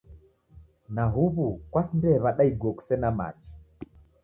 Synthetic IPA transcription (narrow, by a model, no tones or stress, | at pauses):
naɦuβukwasindɛβaɗaiɡwɔku̥sɛnama̰t͡ʃi̥